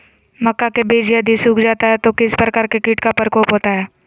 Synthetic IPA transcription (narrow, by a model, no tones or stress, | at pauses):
mɐkːakebeːd͡ʒiəd̪isuːkd͡ʒaːt̪aɦɛt̪okɪspɾəkaɾkekiːʈkapəɾkɔːpɦoːt̪aɦɛː